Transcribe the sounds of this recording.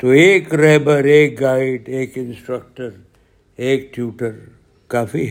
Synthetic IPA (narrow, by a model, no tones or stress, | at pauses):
t̪oeːkɾɛːbəɾeːk̚ɡaːɪɖeːkɪnsʈɾək̚ʈəɾ | eːkʈʰjuːʈəɾ | kaːfi